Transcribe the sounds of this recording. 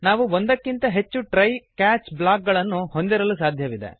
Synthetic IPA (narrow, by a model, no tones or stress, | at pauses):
naːʋuond̪ɐkːint̪ɐɦe̞t͡ʃːuʈɾɐjkaːt͡ʃblaːk̚ɡɐɭɐnːuho̞nd̪iɾɐlusaːd̪ʱjɐʋid̪e̞̰